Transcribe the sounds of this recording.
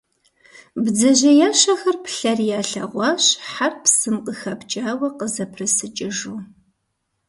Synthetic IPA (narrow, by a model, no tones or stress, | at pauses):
bd͡zɐʑɐjaːʃɐxɐrpɬɐrjaːɬɐ̰ʁʷɑːɕħarpsɨmqʼəxɐpt͡ʃʼaːwɐqəzɐpʰrɨsɨt͡ʃʼɪʒuː